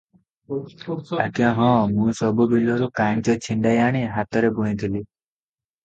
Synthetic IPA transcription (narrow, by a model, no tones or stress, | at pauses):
akjãɦɔ̃mũsɔbubilɔɾukaɳt͡ʃɔt͡ʃʰiɳɖajaɽ̃iɦat̪ɔɾebũĩd̪ʰʱili